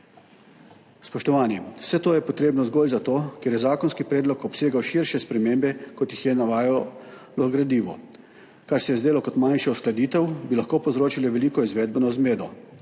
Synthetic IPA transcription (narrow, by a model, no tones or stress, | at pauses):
spɔʃt̪ɔʋaːnisɛt̪oːjɛpɔt̪ɾeːbnɔzɡoːlzat̪oːkeɾjɛzaːkɔnskipɾeːd̪lɔkɔpseːɡawʃiɾʃɛspɾɛmeːmbɛkɔt̪jixjɛnaʋaːjɔ | lɔɡɾad̪iːʋɔ̰ | kaɾsɛjɛzd̪eːlɔkɔt̪manʃɛɔsklad̪iːt̪ɛwbilaxkoːpɔzɾoːt͡ʃiliʋɛliːkɔizʋɛːd̪̚bənɔzmeːd̪ɔ